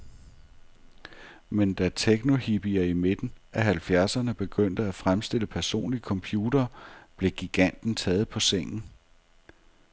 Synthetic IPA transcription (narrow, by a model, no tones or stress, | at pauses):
mend̥æt͡sʰeɡ̥no̝hib̥iæime̝d̥n̩ʔæɦælfjæɐsɐnəb̥e̝ɡ̥øn̰d̥əæfʁamsd̥e̝l̰əpʰæɐso̝̰ːnlikʰɒ̽mpʰjuːdɐːb̥le̝ɡ̥iɡ̥æn̰d̥n̩t͡sʰɛːð̩ˠpʰɒ̽seŋ̰n̩